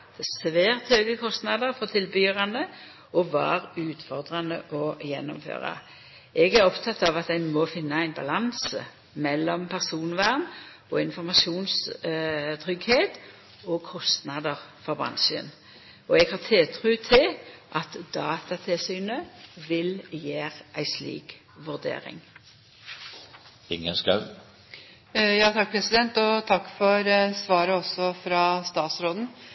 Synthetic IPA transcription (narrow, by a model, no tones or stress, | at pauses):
d̪̥ɛsʋæːʁt̪høːɡəkʰɔst̪nɑd̪əʁfɔʁt̪ʰɪlbyːʁɑnə | ɔʋɑ̰ːʁʉːt̪fɔʁd̪ʁɑnəʔɔjɛ̰nːɔmfø̰ːʁɑ̰ | ɛɡæʁɔpt̪ʰɑt̪ʰːɑʋɑt̪̚d̪æɪnmɔfɪnːɑæɪnbɑ̰lɑnsə | mɛlːɔmpʰæʁsuːnʋæʁn | ɔɪnfɔʁmɑʃuːns | t̪ʰʁʏɡheːt̪ | ɔkʰɔst̪nɑd̪əʁfɔʁbʁɑ̰nʃə̰n | ɔɛɡhɑːʁt̪ʰeːt̪ʰʁʉːt̪ʰɪlʔɑt̪d̪ɑːt̪ɑt̪ʰɪlsyːnəʋɪljeːʁʔæɪslḭːk | ʋʉʁd̪ḛːʁɪ̰ŋ | ɪŋəskɑʉ | jɑːt̪ʰɑk̚ːpʰɾɛsɪd̪ɛnt̪ɔt̪ʰɑkːfɔɾsʋɑːɾəɔsːɔfɾɑːst̪ɑːt̪sɾoːd̪n̩